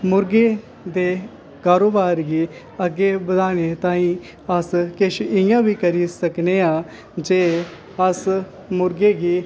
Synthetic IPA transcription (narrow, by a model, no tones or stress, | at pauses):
mʊɾɡeː | d̪eː | kaːɾoːbaːɾɡiː | əɡːeːbəd̪aːneːt̪ãːĩː | əskɪt͡ʃʰɪjãːʋiːkəɾiːsəkneːãː | d͡ʒeː | əs | mʊɾɡeːɡiː